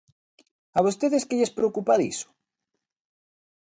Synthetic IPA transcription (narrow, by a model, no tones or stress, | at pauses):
aβost̪eðeskeʎespɾeokupaðḭsʊ̥